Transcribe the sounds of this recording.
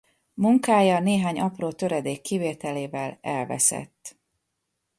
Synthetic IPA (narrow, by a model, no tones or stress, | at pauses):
muŋkaːjɒneːɦaːɲʔɒproːt̪ø̞ɾɛd̪eːkːiveːt̪ɛleːvɛlɛlvɛ̰sɛ̰t̪ː